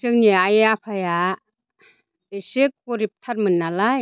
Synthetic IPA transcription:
sɯŋniajeapʰaja | esɯk̚pɔɾip̚tʰatmɯnːalaj

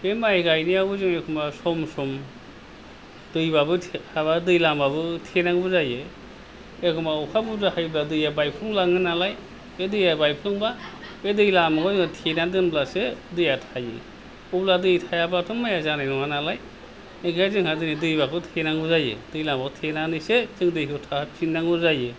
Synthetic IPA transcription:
hemaeɡʰajniaɡuzɯŋekʰumbasɔmsɔm | dɯjbabɯhaβadɯjlambabɯtʰenaŋbɯzaje | ekʰɯmaɔkʰabuzahajbladɯjabajpʰluŋlaŋɯnalaj | bedɯjabajpʰlɯŋbabedɯjlamakʰɔŋtʰenadɯnblasedɯjatʰajɯ̰ | ubladɯjtʰajabatʰɯmmajazanajnɔwanalaj | eŋkʰajzɯŋhadɯnidɯjbakʰɯtʰenaŋbuzajɯ̰dɯjlambakʰɔtʰenanɯjsezɯŋdɯjkʰɯtʰatʰinaŋbɯzajɯ

